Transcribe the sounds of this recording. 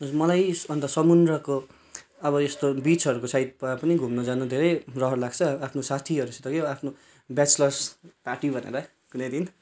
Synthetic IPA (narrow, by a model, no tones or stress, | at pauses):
mʌlajʌnt̪ʌsʌmund̪rʌko | ʌβʌest̪obit͡sɦʌɾukosajt̪̚papʌniɡʱumnʌd͡zanud̪ʱeɾʌjrʌɦʌɾulaɡt͡sʰʌapʰnosat̪ʰiɦʌɾuset̪ʌkeapʰno | bjat͡slʌrspaʈibʱʌnḛɾʌ | kunʌjd̪in